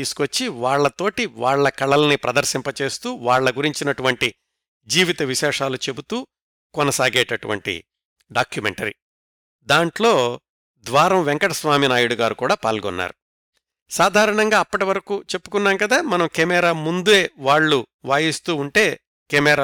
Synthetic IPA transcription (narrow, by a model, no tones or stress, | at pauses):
iːsu̥kɐt͡ʃːiʋaːɭːɐt̪o̞ːʈiʋaːɭːɐkɐɭɐlɐnipɾɐd̪ɐɾsimpɐt͡ʃe̞ːst̪uːʋaːɭːɐɡuɾiɲt͡ʃinɐʈuʋɐɳʈi | d͡ʒiːʋit̪ɐʋiʃɛːʂaːlut͡ʃe̞but̪uː | kɔnɐsaːɡɛːʈɐʈuʋɐ̰ɳʈḭ | ɖaːkjumḛɳʈɐɾḭ | d̪aːɳʈlo̞ː | d̪ʋaːɾɐmʋɛŋkɐʈɐsʋaːminaːjuɽuɡaːɾukuːɽaːpaːlɡɔnːa̰ːɾu | saːd̪ʱaːɾɐɳɐŋɡaːpːɐʈiʋɐɾɐkuːt͡ʃe̞pːukunːaːmkɐd̪aːmɐnɐmkemɛːɾaːmund̪ueːʋaːɭːuʋaːjist̪uːɳʈe̞ː | kɛmɛːɾa